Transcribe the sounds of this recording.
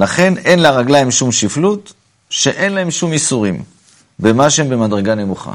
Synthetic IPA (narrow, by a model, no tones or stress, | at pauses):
laχe̞ne̞nlaʁaɡlaimʃumʃiflut | ʃe̞ʔe̞nlae̞mʃumisuʁim | be̞maʃeembe̞madʁe̞ɡane̞muχa̰